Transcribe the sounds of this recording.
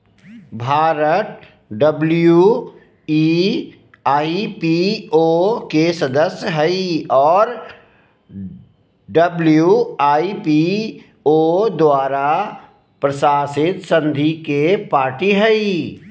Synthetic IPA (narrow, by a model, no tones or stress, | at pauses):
bʱaːɾət̪̚ | ɖəblju | iː | aːipiokesəd̪əsjɦəiɔːɾ | ɖəbljuaːipi | oːd̪waːɾa | pɾəsaːsɪt̪sə̃nd̪ʱikepaːɾʈiɦɛi